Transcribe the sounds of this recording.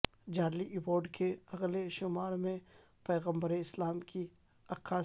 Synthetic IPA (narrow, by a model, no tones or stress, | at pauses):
d͡ʒaːɾliʔɪboːɾɖkʰeɐɣleʃʊmaːɾmẽ | pɛːɣə̃mbəɾeɪslaːmki | ɐqʰaː